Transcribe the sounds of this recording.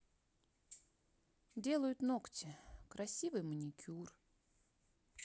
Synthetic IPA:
dʲe̞lˠəjʊt̪noktʲɪkɾɐsʲivɨjmənʲɪkʲʰur

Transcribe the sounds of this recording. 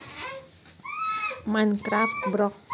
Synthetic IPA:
mankɾaft̪bɾɔk̚

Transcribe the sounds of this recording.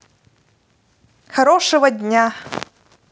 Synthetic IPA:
xɐɾɔʂɨvɐdʲnʲa

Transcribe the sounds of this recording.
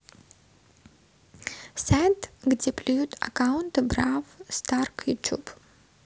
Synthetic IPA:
sajtʰɡdʲepʰlʲijut̪ʰa̰kawʊntɨbravstarkʰjut͡ʃʰub

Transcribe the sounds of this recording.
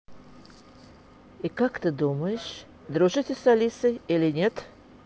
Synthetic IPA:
ikakt̪ɨd̪uməjɪʂ | d̪ɾuʐɨtʲɪsɐlʲisɨilʲɪnʲet̪

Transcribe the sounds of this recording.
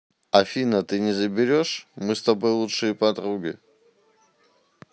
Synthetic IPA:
afʲinət̪ɨnʲɪzəbʲɪɾʲoʂmɨst̪ɐbojlˠutʂɨjəpɐd̪ɾuɡʲɪ̰

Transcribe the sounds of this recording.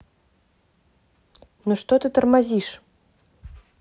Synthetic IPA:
nuʂt̪ɔt̪ɨt̪ɐrmazʲiʂ

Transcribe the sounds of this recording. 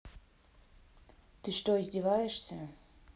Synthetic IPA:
t̪ɨʂt̪oizʲdʲɪvajɪʂsʲə

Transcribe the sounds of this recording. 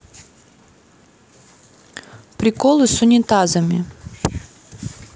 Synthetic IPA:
pɾʲɪkɔlˠʊsʊnʲit̪azɐmʲi

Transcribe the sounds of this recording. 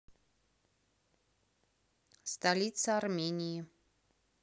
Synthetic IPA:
st̪alʲit̪sɐɐrmʲenʲiji

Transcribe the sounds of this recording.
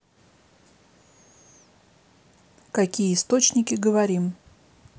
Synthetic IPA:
kɐkʲijəɪst̪ot͡ɕnʲɪkʲɪɡəvɐɾʲim

